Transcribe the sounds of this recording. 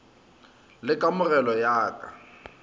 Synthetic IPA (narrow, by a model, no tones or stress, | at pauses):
lɪkʼamʊrɛlɔjaːkʼa̰